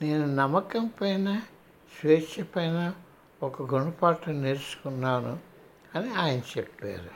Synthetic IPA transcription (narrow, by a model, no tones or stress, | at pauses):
ne̞ːnunɐmːɐkɐmpɐjnaː | sʋeːt͡ʃːɐpɐjnaː | ɔkɐɡoɳɖɐpaːʈɐneɾusu̥kunːaːnṵ | ɐniaːjɐnɐt͡ʃepːḛːɾu